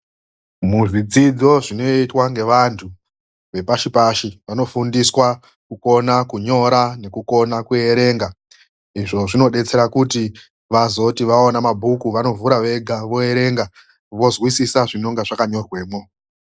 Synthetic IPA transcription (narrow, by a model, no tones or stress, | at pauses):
muʐid͡zid͡zo̞ʐino̞itwaŋɡe̞ʋantʰu | ʋe̞paʃipaʃiʋano̞fundiswa | kuko̞nakuɲo̞ɾane̞kuko̞nakue̞ɾe̞ːŋɡa | iʐo̞ʐino̞ɗe̞t͡se̞ɾakuti | ʋazo̞tiʋaonamabʱukuʋano̞vuɾaʋe̞ɡʱaʋo̞e̞ɾe̞ŋɡa | ʋo̞zwisisaʐino̞ŋɡaʐakaɲo̞rwe̞ːmo